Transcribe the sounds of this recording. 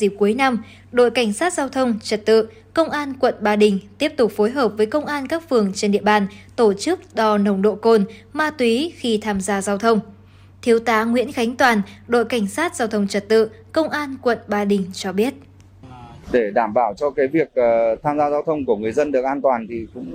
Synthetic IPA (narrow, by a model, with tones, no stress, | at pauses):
zi˨˩p̚ku˨˦əjna˧m | ɗo̰˧˨jka˧˩jŋ̟saː˦˥t̚zaː˧wt̪ʰə˧wŋ͡mt͡ɕə˨˩t̚t̪ɨ̰˧˨ | kə˧wŋ͡mʔaː˧nkwə̰˧˨nɓaː˧ɗï˨˩ŋ̟t̪i˦˥əp̚t̪ʊ˨˩k͡p̚fo˨˦jɦəː˨˩p̚vəː˨˦jkə˧wŋ͡mʔaː˧nkaː˦˥k̚fɨ˨˩əŋt͡ɕe˧nɗḭ˧˨əɓaː˧˩nt̪o˧˩t͡ɕɨ˦˥k̚ɗɔ˧˩nə˨˧˩wŋ͡mɗo̰˧˨ko˧nmaː˧t̪wi˨˦xi˧t̪ʰaː˧mzaː˧zaː˧wt̪ʰə˧wŋ͡m | t̪ʰi˨˦əwt̪aː˨˦ŋwḭ˧˥ənxa˨˦jŋ̟t̪waː˨˩nɗo̰˧˨jka˧˩jŋ̟saː˦˥t̚zaː˧wt̪ʰə˧wŋ͡mt͡ɕə˨˩t̚t̪ɨ̰˧˨ | kə˧wŋ͡mʔaː˧nkwə̰˧˨nɓaː˧ɗï˨˩ŋ̟t͡ɕɔ˧ɓi˦˥ət̚ | ɗe˧˩ɗaː˧˩mɓaː˧˩wt͡ɕɔ˧kaː˨˦jvi˨˩ək̚ːt̪ʰaː˧mzaː˧zaː˧wt̪ʰə˧wŋ͡mku˧˩əŋɨ˨˩əjzə˧nɗɨ˨˩ək̚ʔaː˧nt̪waː˨˩nt̪ʰi˨˩kʊ̰˧˥ŋ͡m